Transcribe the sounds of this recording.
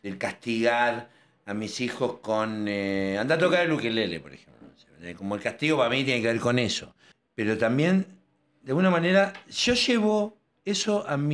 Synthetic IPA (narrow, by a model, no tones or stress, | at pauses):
elkast̪iɣaɾ | amisixo̞skoneand̪at̪okaɾelukelelḛpoɾexemplo̰nosenḛko̞moelkast̪iɣo̞paɾamit̪jenekeβeɾko̞ne̞so | peɾo̞t̪ambje̞n | d̪ejalɣunamaneɾaʃo̞ʒeβo | esoʔami